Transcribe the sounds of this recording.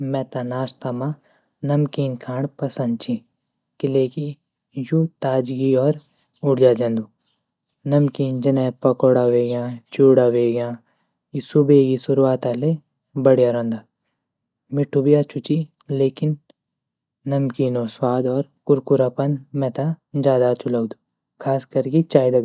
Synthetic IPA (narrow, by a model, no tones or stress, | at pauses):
mɛːt̪anaːst̪amã | nɐmkiːnkʰaːɳpɐsɐnd̪̚t͡ʃʰi | kileːki | jut̪aːd͡ʒɡiɔːɾ | ʊɽd͡ʒaːd͡ʒɐ̃nd̪u | nɐmkiːnd͡ʒɐnɛpɐkoːɽaʋeːɡjãːt͡ʃuːɽaʋeːɡjãː | isubeɡisʊɾuaːt̪ale | bɐɽjaɾɔ̃nd̪aː | mɪʈʰubijat͡ʃut͡ʃi | leːkɪn | ɐmkiːnoswaːd̪ɔːɾkʊɾkuɾapɐnmɛt̪ad͡ʒaːd̪at͡ʃʊləwd̪ | kʰaːskɐɾkit͡ʃaːjd̪ɐ